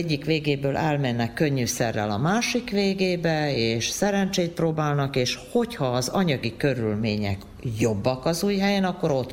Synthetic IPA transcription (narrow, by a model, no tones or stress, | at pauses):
ɟːikʋeːɡeːbøːlʔɛlmɛnːɛkːø̞ɲːyːsɛrːɛ̰lɒ̰maːʃikʋeːɡeːbɛeːʃsɛɾɛnt͡ʃejt̪̚proːbaːlnɒkeːʃho̞chɒːzɒɲɒɡikø̞ɾylmḛːɲɛ̰k | jo̞bːɒkɒzuːjɦɛjɛnɒkːo̞ɾo̞t̪ː